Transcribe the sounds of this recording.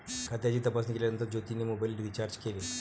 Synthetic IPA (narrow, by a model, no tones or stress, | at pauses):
kʰat̪ead͡ʑiːt̪əpasnikelanənt̪əɾd͡ʑot̪inimobajlɖʋit͡ɕaɾd͡ʑkeli